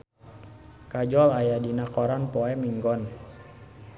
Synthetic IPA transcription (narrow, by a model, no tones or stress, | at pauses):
kad͡ʒɔlajadinakɔɾanpɔɛmiŋɡɔn